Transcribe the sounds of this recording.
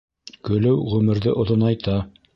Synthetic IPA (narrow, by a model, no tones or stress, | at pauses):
kɵ̆lɘwʁʉmɘ̆ɾðɘʔŏðonɑjt̪ɑ